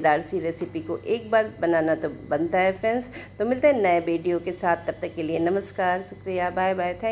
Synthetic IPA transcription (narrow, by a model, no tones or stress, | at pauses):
d̪aːɾsiɾeːsɪpikoʔeːk̚baːɾbɐnaːnat̪obɐ̃nt̪aɦɛfɾɛnst̪omɪlt̪aɦɛnɐeʋiːɖijokesaːt̪̚ʰːɐb̚t̪ɐkːelienɐməskaːɾʃʊkɾijabaːjbaːjt̪ʰɛ̃